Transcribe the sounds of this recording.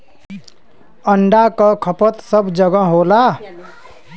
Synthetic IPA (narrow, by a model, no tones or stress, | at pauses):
əɳɖakʌkʰəpət̪səbd͡ʒəɡə̃ɦola